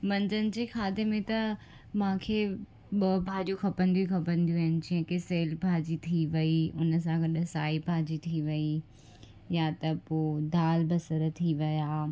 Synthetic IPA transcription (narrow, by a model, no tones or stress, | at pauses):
mɐ̃ɲd͡ʑənɪ̆d͡ʑeːkʰaːd̪emẽt̪ɐ | mãːkʰe | ɓɐbʱaːd͡ʑuxɐpə̃nd̪ijukʰɐpə̃nd̪ijuɦɪnɪ̆d͡ʑiɦə̃keseːlbʱaːd͡ʑit̪ʰiʋɐiʊnə̆s̬ãɡɐɗɐsaːibʱaːd͡ʑit̪ʰiʋɐi | jat̪ɐpoːd̪aːlbɐsəɾt̪ʰiʋɐjaː